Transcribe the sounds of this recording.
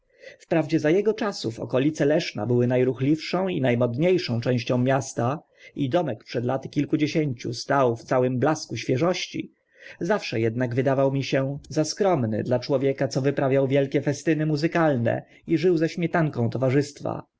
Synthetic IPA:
fpɾavd͡ʑɛzajɛɡɔt͡ʂasuvɔ̰kɔlʲit̪sɛlɛʂna̰bɘwɘnajɾuxlʲifʂɔ̃w̃inajmɔd̪ɲejʂɔ̃w̃t͡ʂɛ̃w̃ɕt͡ɕɔ̃w̃mʲjast̪a | ʔid̪ɔmɛkpʂɛd̪lat̪ɘ̥kʲilkud͡ʑeɕeɲt͡ɕṵst̪awft̪sawɘmblaskuɕfʲjɛʐɔɕt͡ɕḭ | zafʂɛjɛd̪̚naɡvɘd̪avawmʲiɕɛzaskɾɔmnɘ̰d̪lat͡ʂwɔvʲjɛkat̪sɔvɘpɾavʲjawvʲjɛlkʲɛfɛst̪ɘnɘmuzɘkalnɛ̰ | iʐɘwzɛɕmʲjɛt̪aŋkɔ̃w̃t̪ɔvaʐɘst̪fa̰

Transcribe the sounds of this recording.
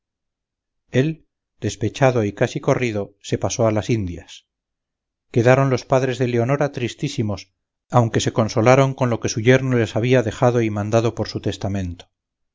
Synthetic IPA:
e̞l | d̪̥e̞spe̞t͡ʃaðo̞ikasiko̞riðo̞se̞paso̞alasind̪jas | ke̞ðaɾo̞nlo̞spaðɾe̞zðe̞le̞o̞no̞ɾat̪ɾist̪isimo̞s | awŋke̞se̞ko̞nso̞laɾo̞ŋko̞nlo̞ke̞suʝe̞ɾnole̞saβ̞iaðe̞xaðo̞imãnd̪að̞o̞po̞ɾsut̪e̞st̪amẽ̞nt̪o

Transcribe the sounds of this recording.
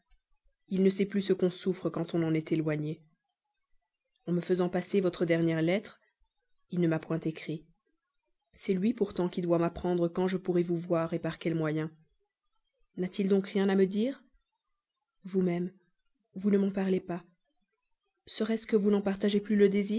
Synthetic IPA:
ilnəsɛplysəkɔ̃sufχəkɑ̃t̪ɔ̃nɑ̃nɛt̪elwaɲe | ɑ̃məfəzɑ̃pasevɔt̪χəd̪ɛʁnjɛʁlɛt̪χ | ilnəmapwɛ̃t̪ekχi | sɛlɥipuʁt̪ɑ̃kʲid̪wamapχɑ̃d̪ʁəkɑ̃ʒəpuʁɛvuvwaʁepaʁkʲɛlmwajɛ̃ | nat̪ild̪ɔ̃kʁjɛ̃naməd̪iːʁ | vumɛm | vunəmɑ̃paʁlepa | səʁɛskəvunɑ̃paʁt̪aʒeplyləd̪eziː

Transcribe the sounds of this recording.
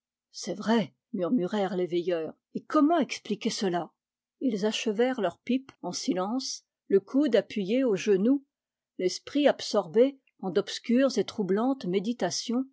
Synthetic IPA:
sɛvʁɛ | myʁmyʁɛʁlevɛjœːʁ | ekɔmɑ̃ɛksplikʲesəla | ilzaʃəvɛʁlœʁpipɑ̃silɑ̃s | ləkʰud̪apɥijeoʒənu | lɛspχiapsɔʁbe | ɑ̃d̪ɔpskʲyʁzet̪χublɑ̃t̪med̪it̪asjɔ̃

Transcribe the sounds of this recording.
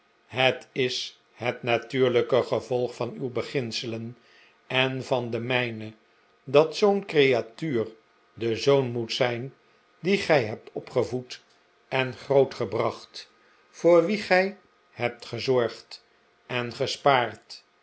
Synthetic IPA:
ɦətɪs | hətnatyːɹləkəχəvɔlˠχfɑnywbəχɪnsələn | ɛnvɑndəmɛjnə | dɑtsownkrejatyːr | dəzownmutsɛjn | diχɛjɦɛp̚tʰɔpχəvut | ʔɛnχrowtχəbrɑχt | fʊːɹʋiχɛj | hɛp̚tχəzɔɹχt | ɛnχəspaːrt

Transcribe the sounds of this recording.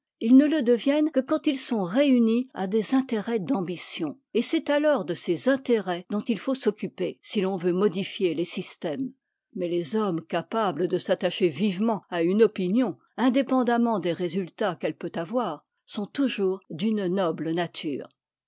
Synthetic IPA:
ilnələd̪əvjɛnkəkɑ̃t̪ilsɔ̃ʁeynia̰d̪ezɛ̃t̪eʁɛd̪ɑ̃bisjɔ̃ | esɛt̪alɔʁd̪əsezɛ̃t̪eʁɛd̪̥ɔ̃t̪ilfosɔkʲypesilɔ̃vømɔd̪ifjelesist̪ɛm | mɛlezɔmkapabləd̪əsat̪aʃevivmɑ̃aynɔpinjɔ̃ | ɛ̃d̪epɑ̃d̪amɑ̃d̪eʁezylt̪akɛlpøt̪avwaːʁ | sɔ̃t̪uʒuːʁd̪ynnɔblnat̪ʰy̰ːʁ

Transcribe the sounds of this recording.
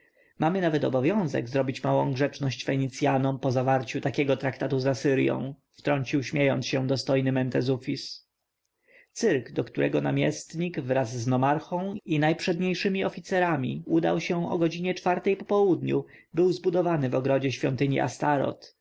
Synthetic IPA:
mamɘnavɛt̪ɔbɔvʲjɔ̃w̃zɛ̰ɡzɾɔbʲit͡ɕmawɔ̃w̃ɡʐɛt͡ʂnɔɕt͡ɕfɛɲit̪sʲjanɔmpɔzavaɾt͡ɕut̪akʲɛɡɔt̪ɾakt̪at̪uzasɘɾjɔ̰̃w̃ | ft̪ɾɔɲt͡ɕiwɕmʲjejɔnsɕɛd̪ɔst̪ɔjnɘmɛnt̪ɛzufʲis | t̪sɘɾɡd̪ɔkt̪uɾʔɛɡɔnamʲjɛst̪ɲiɡvɾazːnɔmaɾxɔ̃w̃inajpʂɛd̪ɲejʂɘmʲiɔfʲit̪sɛɾamʲḭud̪a̰wɕɛɔ̰ɡɔd͡ʑiɲɛt͡ʂfaɾt̪ɛjpɔpɔwud̪ɲṵ | bɘwzbud̪ɔvanɘvɔɡɾɔd͡ʑɛɕfʲjɔnt̪ɘɲḭʔa̰st̪aɾɔ̰t̪

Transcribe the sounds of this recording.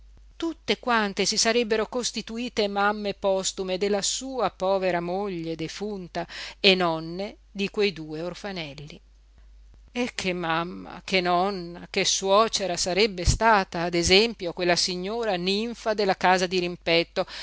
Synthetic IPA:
t̪ut̪ːekwant̪esisaɾɛbːeɾokost̪it̪uiːt̪emamːepɔst̪umed̪elːasuːapɔːveɾamoʎːed̪efunt̪aenɔnːe | d̪ikwejd̪uːeorfanɛlːi | ekʰːemːamːa̰kenɔnːa̰keswɔːt͡ʃeɾasaɾɛbːest̪aːt̪aːd̪ezɛmpjokwelːasiɲːoːɾaniɱfad̪elːakaːzad̪iɾimpɛt̪ːo

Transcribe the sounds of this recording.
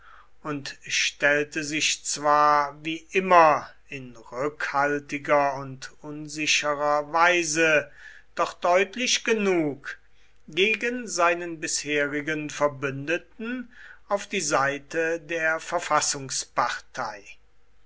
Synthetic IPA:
ʊntʃtɛltəzɪʃt͡sv̥aːɐviːʔɪmɐ | ɪnʁʏkhaltɪɡɐʊntʔʊnzɪɕəʁɐvaɪzə | d̥ɔχd̥ɔʏtlɪʃɡ̥ənuːk | ɡeːɡənzaɪnənbɪsheːʁɪɡənfɛɐbʏndətn̩aʊfd̥iːzaɪtədeːɐfɛɐfasʊŋspaʁtʰaɪ

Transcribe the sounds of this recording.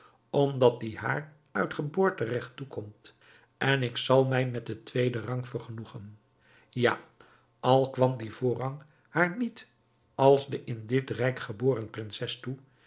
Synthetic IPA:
ɔmdɑt̚diha̰ːɹ | œɥtχəbʊːɹtərɛχtukʰɔmt | ɛnɪksɑlˠmɛjmɛt̚dətʋejdərɑŋfəɹχənuχən | ja̰ | ɑlˠkʋɑmdivʊːrɑŋ | haːɹnit | ɑlˠzdəʔɪndɪtrɛjkχəbʊːrənprɪnsɛstu

